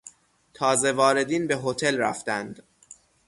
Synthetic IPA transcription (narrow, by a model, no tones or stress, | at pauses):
t̪ʰɒːze̞vɒːɾe̞d̪iːnbeɦot̪ʰe̞lɾæ̰ft̪ænd̪